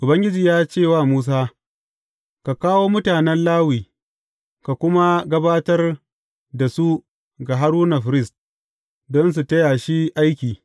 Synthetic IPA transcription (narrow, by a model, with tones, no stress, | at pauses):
ʔʊ˨bɐ˦ŋɡʲɪ˦d͡ʒiː˨jaː˦t͡ʃeː˦˨waː˦˨muː˦s̬aː˦ | ka˨kaː˦woː˦mʊ˦taː˨nɛ˦nlaː˦wiː˨ | ka˨kʷʊ˦ma˦ɡɐ˦baː˦tɐ˦r | da˨su˦ | ɡa˨ɦa˦ɾuː˦na˨ɸɾɪ˦˨st | dɔ˦ns̬u˨tɐ˦ja˨ʃi˦ʔa˦jkʲiː˨